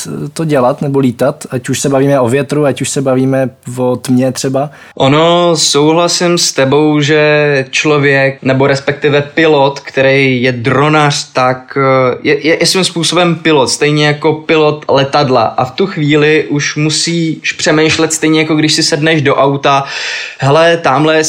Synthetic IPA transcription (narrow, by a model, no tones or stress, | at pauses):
t̪oɟɛlat̪nɛboliːt̪at̪acuʃsɛbaviːmɛʔovjɛt̪ɾuacuʃsɛbaviːmɛvot̪mɲɛt̪r̝̥ɛba | ʔono̞so̞wɦlasɪmst̪ɛbo̞wʒɛt͡ʃlovjɛk̚nɛboɾɛspɛk̚t̪ɪvɛpɪlot̪kt̪ɛɾɛjjɛdɾonar̝̥t̪akjɛjɛjɛsvimspuːso̞bɛmpɪlot̪st̪ɛjɲɛjako̞pɪlot̪lɛt̪adla̰ʔaft̪uxviːlɪʔuʃmusiːʃpr̝̥ɛmɛjʃlɛt̪st̪ɛjɲɛjako̞ɡdɪʃsɪsɛdnɛʒdo̞ʔawt̪aɦɛlɛt̪aːmlɛ